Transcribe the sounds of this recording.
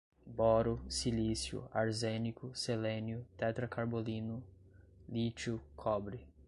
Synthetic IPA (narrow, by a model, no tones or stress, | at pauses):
bɔɾʊsilisjṵaɾzenikʊselẽnjʊt̪ɛt̪ɾɐkʰaɾbolĩnʊ | lit͡ʃʊkʰɔbɾɪ